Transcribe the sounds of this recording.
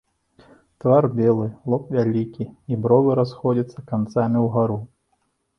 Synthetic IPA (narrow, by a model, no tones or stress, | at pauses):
t̪varbʲɛlˠɨlˠɔpvʲalʲikʲiibɾɔvɨɾasxɔd͡zʲit̪sːɐkant̪samʲiwɣaɾu